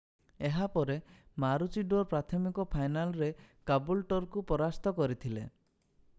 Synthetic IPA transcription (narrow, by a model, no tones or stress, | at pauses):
eɦapɔɾemaɾut͡ʃiɖoɾpɾat̪ʰɔmikɔpʰajnalɔɾekabulʈɔɾkupɔɾast̪ɔkɔɾit̪ʰilḛ